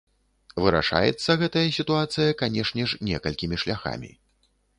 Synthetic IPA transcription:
vɨɾa̰ʂa̰jɛ̰t̪sːɐɣɛt̪ɐjɐsʲit̪uat̪sɨjɐkanʲɛʂnʲɛʂnʲɛkɐlʲkʲimʲiʂlʲaxa̰mʲḭ

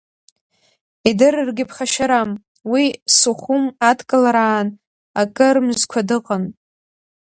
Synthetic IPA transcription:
idɨrrɡʲɪpʰχaʃaɾam | wisuχʷʊmadkʼɨlaɾaːn | akʼɨrmzkʷʰadɨqʼən

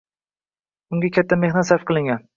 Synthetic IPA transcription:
uŋɡʲɛkʲɛt̪ʰːɛmehnɛt̪sæɾfqɨlˠɪŋʲɛn

